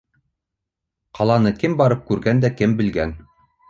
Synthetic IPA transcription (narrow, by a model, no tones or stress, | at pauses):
qɑlˠɑnɤkɘmbɑɾɤp̚kʉɾɡænd̪ækɘmbɘ̆lɡæn